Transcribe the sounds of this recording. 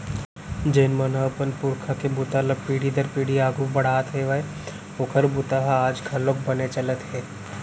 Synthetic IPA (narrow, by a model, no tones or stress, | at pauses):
d͡ʒeːnmɐnapənpʊɾkʰakebʊt̪aləpiːɽid̪əɾpiːɽiaːɡʱubɐɽ̤aːt̪ɦeʋəe | oːkʰəɾbʊt̪aɦaːd͡ʒɡʱɐlok̚bɐnet͡ʃɐlət̪ɦɛː